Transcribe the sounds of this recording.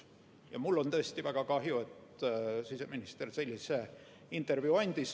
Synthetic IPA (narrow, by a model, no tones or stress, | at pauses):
jɑ̰mulːo̞nt̪ɤest̪ivæɡ̥ɑkɑɦjue̞t̪sise̞minist̪erse̞lʲːise | int̪ˑe̞rvjuɑnʲd̪̥ʲis